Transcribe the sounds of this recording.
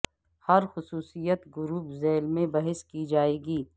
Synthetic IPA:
hɐɾxʊsuːsijət̪ɡʊɾuːpzeːlmẽbɐɦɪskid͡ʒaːeːɡiː

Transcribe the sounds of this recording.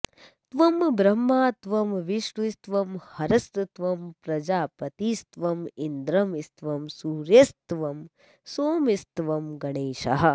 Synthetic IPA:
t̪ʋɐmbɾɐmːaːt̪ʋɐmʋiʂʈust̪ʋɐmhɐɾɐst̪t̪ʋɐmpɾɐd͡ʒaːpɐt̪iːst̪ʋɐmind̪ɾɐmist̪ʋɐmsuːɾjɐst̪ʋɐm | soːmist̪ʋɐmɡɐɳeːʃɐ̰ɦɐ̆

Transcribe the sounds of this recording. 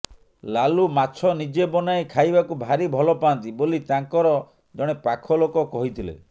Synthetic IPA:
lalumat͡ʃʰɔnid͡ʒebɔnaekʰajbakubʱaɾibʱɔlɔpaːnt̪ibolit̪aŋkɔɾɔ | d͡ʒɔɽ̃epakʰɔlokɔkɔɦit̪ʰilḛ

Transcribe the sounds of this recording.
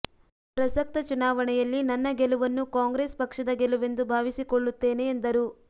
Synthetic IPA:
pɾɐsɐk̚t̪ɐt͡ʃunaːʋɐɳɛjɐlːinɐnːɐɡeluʋɐnːukaːŋɡɾeːspɐkʂɐd̪ɐɡeluʋe̞nd̪ubʱaːʋisikoɭːut̪ːe̞ːne̞ːnd̪ɐɾu

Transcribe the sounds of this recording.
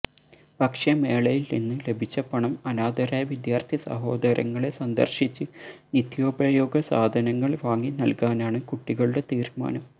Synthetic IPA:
bʱɐkʂjɐme̞ːɭɐjilninːɨle̞bʱit͡ɕːɐpɐɳɐmɐnaːd̪ɐɾaːjɐʋid̪jaːrt̪ʰisɐ̰ɦo̞ːd̪ɐɾʔɐ̰ŋːɐɭe̞sɐnd̪ɐ̰rɕit͡ɕːɨnit̪jo̞ːbɐjo̞ːɡɐsaːd̪ʱɐnɐŋːɐɭʋaːŋːinɐlkaːnaːɳɨkuʈːiɣɐɭuɽe̞t̪iːɾma̰ːnɐm

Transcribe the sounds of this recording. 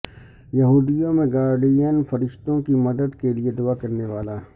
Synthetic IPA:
jɐɦuːd̪ijõmẽɡaːɾɖijənfɐɾɪʃt̪õkimɐd̪əd̪kelied̪ʊakɐɾneʋaːla

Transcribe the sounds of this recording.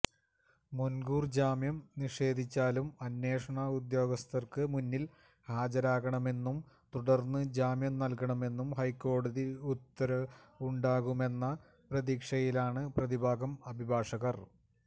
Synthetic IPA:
munɡuːrd͡ʑaːmjɐmniʂe̞ːd̪ʱit͡ɕːaːlumɐnːe̞ːʂɐɳɐud̪jo̞ːɡɐst̪ɐrkɨmunːil | haːd͡ʑɐɾaːɣɐɳɐme̞nːum | t̪uɽɐrnːɨd͡ʑaːmjɐmnɐlkɐɳɐme̞nːumhɐjkːo̞ːɽɐðiut̪ːɐɾɐuɳɖaːɣume̞nːɐ | prɐðiːkʂɐjilaːɳɨprɐðibʱaːɡɐmɐbʱibʱaːʂɐɣɐr

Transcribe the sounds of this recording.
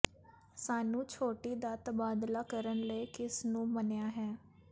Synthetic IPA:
saːnũːt͡ʃʰoːʈiːd̪aːt̪əbaːd̪laːkəɾənləiːkɪsnũːmənejaːɦɛː

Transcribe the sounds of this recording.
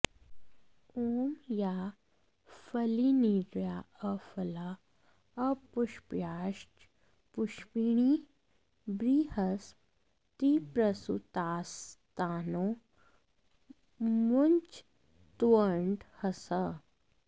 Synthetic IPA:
oːmja | fɐliniɾjaɐfɐla | ɐpʊʃpjaːʃʈ | pʊʃpiɳ̃i | bɾiːhɐs | t̪ipɾɐsṵt̪aːst̪aːno | munt͡ʃ | t̪wəɳɖhɐsə

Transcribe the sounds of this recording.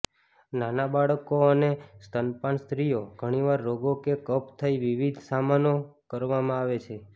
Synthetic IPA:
nanabaɭkoənest̪ənpãnst̪ɾijoɡʱəɽ̃iʋaɾːoɡokekəpt̪ʰəiʋiʋid̪ʱsamanokəɾʋamãaʋet͡ʃʰe

